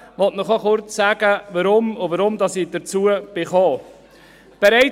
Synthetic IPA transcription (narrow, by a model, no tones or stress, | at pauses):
ʋɔtnɔχɔχʊɾt͡ssæɡ̥əvɑɾʊmʊvɑɾʊmd̪ɑsid̥əɾt͡suəb̥ɪχɔː | b̥ɛɾɛɪ